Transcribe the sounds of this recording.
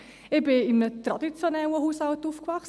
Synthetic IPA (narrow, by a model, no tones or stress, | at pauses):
ɪbɪɪmət̪ɾadit͡sjɔnɛwəhuːsawtufkvaχs